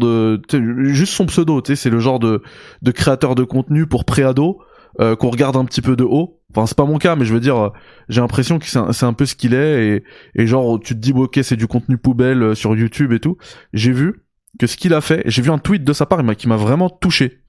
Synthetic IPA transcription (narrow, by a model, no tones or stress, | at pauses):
d̪ət̪seʒyst̪sɔ̃psød̪ot̪sɛsɛləʒɑ̃ʁd̪əd̪əkχeat̪œʁd̪əkɔ̃t̪nypuʁpχead̪o | økɔ̃ʁəɡaʁd̪ɛ̃pət̪ipød̪əʔo | ɑ̃fɛ̃sɛ̥pamɔ̃kamɛʒəvəd̪iʁø | ʒelɛ̃pχesjɔ̃kə̥sɛɛ̰̃sɛt̪ɛ̃pøsə̥kʲilɛeːʒɑ̃ʁt̪yt̪əd̪ibokʲesɛd̪ykɔ̃t̪nypubɛløsyʁjut̪ybet̪uʒevy | kəsə̥kʲilafɛḛʒevyɛ̃t̪wit̪̚d̪əsapaʁemakʲimavʁɛmɑ̃t̪uʃe